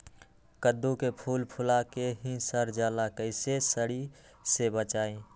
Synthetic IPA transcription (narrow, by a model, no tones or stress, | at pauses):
kəd̪ːukepʰuːlpʰʊlakeɦĩsəɾd͡ʒaːlakəɪsesəɽi | sebət͡ʃaːẽ